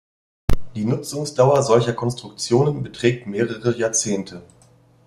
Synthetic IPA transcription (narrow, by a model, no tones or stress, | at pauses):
d̥iːnʊt͡sʊŋsd̥aʊɐzɔlçɐkʰɔnstʁ̥ʊk̚t͡sjoːnənbətʁ̥ɛːk̚tmeːʁəʁəjaːɐt͡seːntʰə